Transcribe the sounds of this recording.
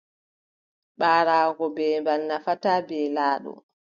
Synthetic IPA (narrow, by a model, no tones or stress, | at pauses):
ɓaːɾaːɡɔbɛːmbalnafataːbɛːlaːɗɔ̰